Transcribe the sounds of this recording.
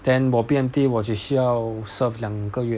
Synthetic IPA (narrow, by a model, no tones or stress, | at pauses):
t̪ɛ̃nwɔpjɛnt̪iwɔt͡ʃiɕyjaʊsəfljaŋkəɥɛ